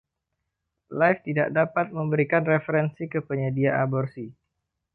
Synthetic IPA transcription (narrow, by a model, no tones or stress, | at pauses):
lajft̪idaʔdapat̪̚məmbəɾikanrefəɾɛnsikəpəɲədiaʔabɔrsi